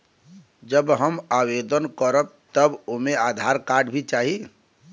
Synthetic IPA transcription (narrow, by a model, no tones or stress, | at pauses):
d͡ʒəbɦəmawed̪ənkəɾəb̚t̪əbomead̪ʱaɾkaɖbʱit͡ʃaɦi